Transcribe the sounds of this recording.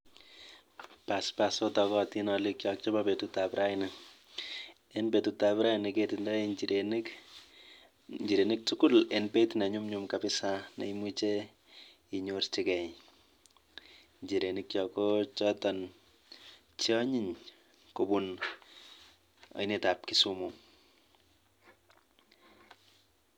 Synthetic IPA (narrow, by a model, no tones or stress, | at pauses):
paspasotɔkɔtinɔlikjɔk̚t͡ʃɔbapetutapɾʔainɪ | enpetutapɾainiketindɔiiek | ɲd͡ʒiɾenik̚tukulenpetinaɲumɲumkapɪsanḛimut͡ʃe | iɲortikɛj | ɲd͡ʒiɾenikjɔkot͡ʃɔtɔn | t͡ʃɔɲiɲ | kobun | ɔ̰jnetap̚kisumu